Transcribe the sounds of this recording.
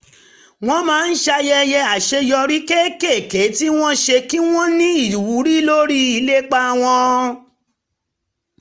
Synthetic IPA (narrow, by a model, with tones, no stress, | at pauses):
w̃ɔ̃˦mãː˨˦n̩˦ʃa˧jɛ˧jɛ˧˦a˨ʃe˧jɔ˧ɾi˦ke˦ke˦˨ke˨˦ti˦w̃ɔ̃˦ʃe˧ki˦w̃ɔ̃˦nĩ˦i˦˨lu˨wu˨˦ɾi˦lo˦ɾi˦i˧le˦k͡pa˧w̃ɔ̃˧